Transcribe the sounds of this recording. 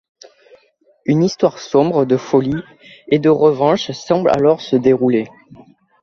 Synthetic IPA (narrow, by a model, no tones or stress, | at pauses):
ynist̪waʁsɔ̃bʁəd̪əfɔli | ed̪əʁəvɑ̃ʃsɑ̃bla̰lɔʁsəd̪eʁule